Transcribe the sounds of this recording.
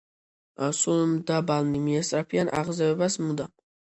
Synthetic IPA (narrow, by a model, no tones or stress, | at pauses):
sulmd̪abalnimiɛst̪ʼɾapʰianʔa̰ʁzɛvɛbasmud̪a